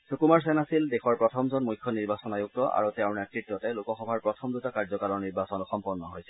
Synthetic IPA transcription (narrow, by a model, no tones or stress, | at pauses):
sokumaɹs̬ɛnasildɛxɔɹpɹɔtʰɔmzɔnmujkʰːjɔniɹbasɔnajuk̚tɔʔa̰ɹutɛʊ̃nɛtɹitɹɔtɛlʊkɔxɔbʱaɹpɹɔtʰɔmdutakaɹzɔkalɔɹniɹbasɔnɔxɔmpɔnːɔɦojsɛ